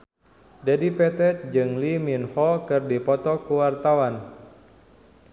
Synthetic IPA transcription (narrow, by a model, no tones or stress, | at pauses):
dadipɛt̪ɛt̪̚d͡ʒɨŋliminhɔkɨrdipɔt̪ɔkuwart̪awan